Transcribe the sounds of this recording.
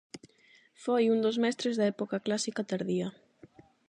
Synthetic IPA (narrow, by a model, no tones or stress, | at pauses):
fojund̪ozmɛst̪ɾezðaɛpokaklasikat̪aɾðiɐ